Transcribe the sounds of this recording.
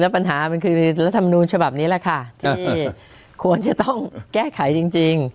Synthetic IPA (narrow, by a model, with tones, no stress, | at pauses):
lɛ˦˥pa˧nɦaː˩˦ma˧nkʰɯː˧ɾa˦˥t̪ʰːa˧ma˧nuː˧nt͡ɕʰa˧ba˨˩p̚niː˦˥la˨˩kʰa˥˩t̪ʰiː˧˥˩ | kʰu˧ənt͡ɕa˨˩t̪ɔ˥˩ŋkɛː˥˩kʰa˨˩˦jt͡ɕi˧ŋt͡ɕi˧ŋ